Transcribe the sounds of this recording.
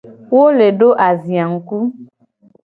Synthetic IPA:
wo˦le˨ɖo˦ʔa˨zi˨a˨ŋ̩˨ku˦

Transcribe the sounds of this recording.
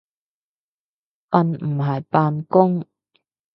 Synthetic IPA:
pɐ˧nmm̩˨˩ɦɐ˨jpaː˧nkʊ˥ŋ

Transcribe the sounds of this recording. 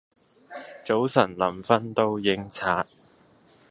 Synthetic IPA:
t͡so˨˥wsɐ˨˩nlɐ˨˩mfɐ˥nt̪o˥wjɪ˨˥ŋt͡sʰaː˨˥t̚

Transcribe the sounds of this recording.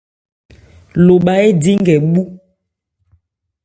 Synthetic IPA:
lo˨ɓa˨e˦di˦ŋɡɛ˨ɓu˦

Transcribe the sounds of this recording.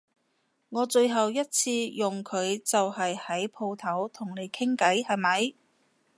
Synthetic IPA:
ŋɔː˨˧t͡ʃɵ˧ɥɦɐ˨wjɐ˥t̚t͡sʰiː˧jʊ˨˩ŋkʰɵ˨˧ɥt͡sɐ˨whɐ˨jhɐ˨˥jpʰo˧wt̪ʰɐ˨˥wt̪ʰʊ˨˩ŋne˨˧jkʰɪ˥ŋkɐ˨˥jhɐ˨jmɐ˨˥j

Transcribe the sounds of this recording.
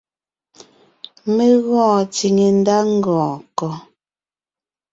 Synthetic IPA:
me˦ɣɔ̃ː˦˨t͡si˨ŋe˨n˦da˦ŋ̩˦ɡɔ̃ː˨kɔ˨

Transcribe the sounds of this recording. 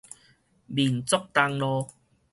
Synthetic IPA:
bi˨˩nt͡sɔ˦k̚t̪a˧ŋlɔ˧

